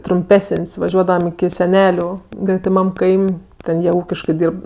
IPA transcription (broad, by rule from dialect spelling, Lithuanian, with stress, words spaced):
trʊmʲˈpʲæːsənʲsʲ ʋɐˈʒʲuɔdɐʋɐm ɪkʲɪ sʲɛˈnʲæːlʲʊ ɡrʲɛtʲɪˈmɐm ˈkɐɪmʲ ˈtʲɛn jiɛ ˈuːkʲɪʃkɜ ˈdʲiːrp